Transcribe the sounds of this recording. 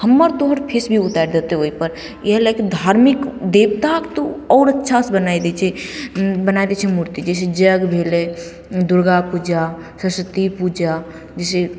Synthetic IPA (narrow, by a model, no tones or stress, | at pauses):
həmːəɾt̪oɦəɾpʰesbʱiʊt̪aɾd̪et̪eɦoːipəɾ | jeɦlaked̪ʱaːɾmɪkd̪eːbt̪akt̪oɔːɾətːʃʰasbənaːid̪et͡ʃʰe | bənaid̪et͡ʃʰemuɾt̪id͡ʒɛːs̬ed͡ʒəɡbʱeːle | d̪ʊɾɡapud͡ʒa | səsət̪ipud͡ʒa | d͡ʒɛːse